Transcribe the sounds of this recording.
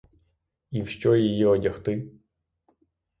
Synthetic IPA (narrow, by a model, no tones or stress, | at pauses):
iwʃt͡ʃɔjijɛɔdʲɐxt̪ɪ